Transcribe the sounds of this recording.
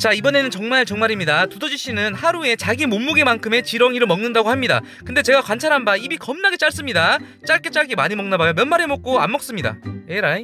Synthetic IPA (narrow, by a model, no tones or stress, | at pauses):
t͡ɕaibʌne̞nɯnt͡ɕʌŋmaɭt͡ɕʌŋmaɾimɲidatudʌd͡ʑiɕʰinɯnhaɾue̞t͡ɕaɡimomːuɡemankʰɯme̞t͡ɕiɾʌŋiɾɯɭmʌŋnɯndaɡohamɲida̰ | kɯnde̞t͡ɕe̞ɡakwant͡ɕʰaɾɦanbaibikʌmnaɡe̞t͡ɕ͈aɭs͈ɯmɲida | t͡ɕ͈aɭk͈et͡ɕ͈aɭkemaɲimʌŋnabajomjʌnmaɾemok̚k͈oa̰nmːʌk̚s͈ɯmɲida̰eɾaj